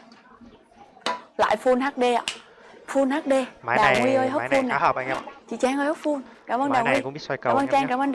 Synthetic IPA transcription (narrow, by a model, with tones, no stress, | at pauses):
la̰ː˧˨jfu˧nɦaː˦˥t̚ɗe˧ʔa̰ː˧˨˩ | fu˧nhaː˦˥t̚ɗe˧˨˧ɗaː˨˩wŋwi˧ə˧jɦo˦˥˧pffu˧nːaː˨˧˨t͡ɕḭ˧˨t͡ɕaː˧ŋʔəː˧jho˦˥p̚fu˧nkaː˧˩˦mʔəː˧nɗaː˨˩wwi˧˦˧kməː˧nt͡ɕa˧ŋkaː˧˦mʔəː˧nɗ